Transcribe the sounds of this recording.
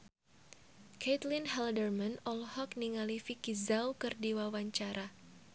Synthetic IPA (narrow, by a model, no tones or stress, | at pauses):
kɛt̪linɦɛldərmanɔlhɔk̚niŋalifikizawkɨrdiwawaɲt͡ʃaɾʔa